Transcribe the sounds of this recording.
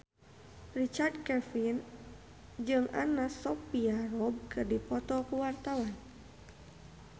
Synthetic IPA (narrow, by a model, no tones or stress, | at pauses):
rit͡ʃard̚kɛfin | d͡ʒɨŋʔa̰nasɔpiarɔb̚kɨrdipɔt̪ɔkuwart̪awan